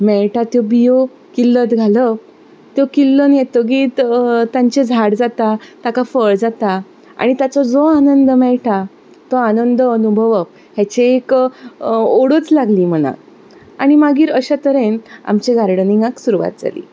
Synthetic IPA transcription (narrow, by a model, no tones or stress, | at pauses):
mɛɭʈat̪jɔbijo | kilːət̪ɡʱalə | t̪jɔkilːənjet̪əɡiːt̪t̪ãɲt͡ɕed͡zʱaɽd͡zat̪at̪akafəɭd͡zat̪a | a̰ɽ̃it̪at͡sɔd͡zoanənd̪əmɛɭʈʰa | t̪ɔanənd̪əənubʱəʋəp̚ | ɦat͡ɕeːk | oɽət͡slaɡliːm̤əna̰k | aɽ̃imaɡiːɾəɕat̪əɾena̰mt͡ɕeɡʱaɾɽənĩŋɡãksuɾuʋa̰t̪̚d͡za̰lḭː